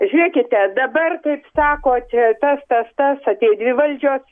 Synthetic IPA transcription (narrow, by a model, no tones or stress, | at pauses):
ʒʲʊɾʲiɛkʲɪt̪ʲɛd̪ɐbɐrkɐɪpsɑːkoːt͡ʃʲɛt̪ɐst̪ɐst̪ɐsɐt̪ʲeːjd̪ʲʋʲɪʋɐlʲd͡ʒʲoːs